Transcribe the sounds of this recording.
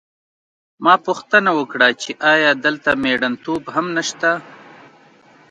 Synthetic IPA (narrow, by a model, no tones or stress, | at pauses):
mɑːpuxt̪ənawəkɽat͡ʃeʔɑjɑːd̪əlt̪ameɽɐnt̪obhamnaʃt̪a